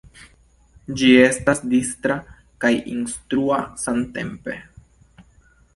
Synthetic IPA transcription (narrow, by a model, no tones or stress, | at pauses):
d͡ʒie̞stasdistɾa | kajinstɾuasante̞̰mpe̞